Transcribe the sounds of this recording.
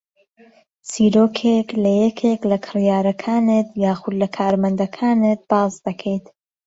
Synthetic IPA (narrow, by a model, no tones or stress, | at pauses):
siːɾoːkʰeklɐjɛkʰeklɐkʰɨrjaːɾɐkʰaːnɨt̪jaːxʊd̪lɐkʰaːɾmɐnd̪ɐkʰaːnɨt̪̚b̥aːzd̪ɐkʰejt̪